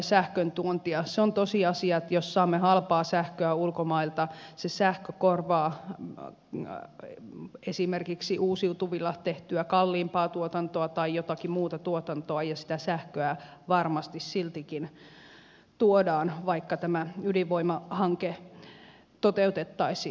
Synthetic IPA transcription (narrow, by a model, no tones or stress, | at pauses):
sæhkønt̪uont̪iɑseont̪osiɑsiɑet̪jossɑːmːehɑlpɑːsæhkøæulkomɑilt̪ɑsesæhkøkorʋɑː | esimerkiksiʔuːsiut̪uʋilːɑt̪eht̪yækɑlːiːmpɑːt̪uot̪ɑnt̪oɑt̪ɑijot̪ɑkimuːt̪ɑt̪uot̪ɑnt̪oɑjɑsi̥t̪æsæhkøæʋɑrmɑst̪issilt̪ikin | t̪uodɑːnʋɑikːɑt̪æmæyliʋoimɑhɑŋke | t̪ot̪eut̪et̪ːɑisi